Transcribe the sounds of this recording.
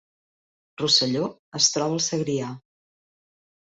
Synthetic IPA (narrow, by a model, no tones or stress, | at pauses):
rusəʎoəst̪ɾɔβəːlˠsəɣɾia